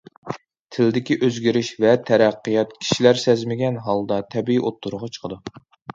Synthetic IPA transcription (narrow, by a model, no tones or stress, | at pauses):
t̪ʰɪlɪd̪ɪkʲiʔøzɡʲiɾɪʃvɛt̪ʰɛɾæqːijɑt̪̚kʲʰi̥ʃilæɾsɛzmɪɡʲɛnɦɑlˠd̪ɑt̪ʰɛbiiʔot̪ʰːuɾʊʁɑt͡ʃʰə̥qʰəd̪u